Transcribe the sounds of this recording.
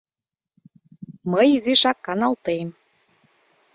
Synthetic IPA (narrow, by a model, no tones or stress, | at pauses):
məjiziʃɑkːɑnɑlˠt̪em